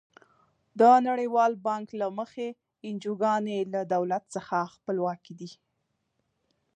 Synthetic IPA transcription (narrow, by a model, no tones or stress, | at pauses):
d̪ənaɽəjwɑlbɑŋklaməxe | ɪnd͡ʒuɡɑnelad̪awlat̪səxaxpəlwɑkid̪i